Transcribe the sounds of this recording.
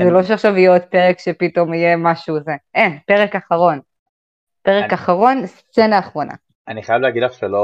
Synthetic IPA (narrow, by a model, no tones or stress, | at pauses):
zelo̞ʃeaχʃavijeot̪̚peʁekʃepito̞mijemaʃuzeʔenpeʁekaχaʁo̞n | peʁekaχaʁo̞nst͡senaːχʁo̞na̰ | aniχajavleaɡid̪laχʃelo